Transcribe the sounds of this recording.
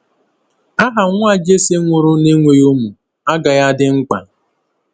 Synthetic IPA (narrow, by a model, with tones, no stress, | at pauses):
a˦ɦa˨ŋʷ˦a˦d͡ʒe˦se˦ŋʷʊ˨ɾʊ˦ne˦ŋʷe˨˦o˦mu˨ | a˦ɡa˨ja˦dɪ˦ŋ͡m̩˦k͡pa̰˨